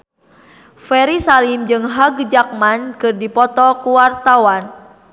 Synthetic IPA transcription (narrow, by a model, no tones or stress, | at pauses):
fɛɾisalimd͡ʒɨŋɦaɡd͡ʒak̚mankɨrdipɔt̪ɔkuwart̪awan